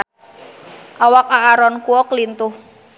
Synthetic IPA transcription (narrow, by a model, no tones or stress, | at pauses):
ʔawak̚aːɾɔnkuɔklint̪ʊh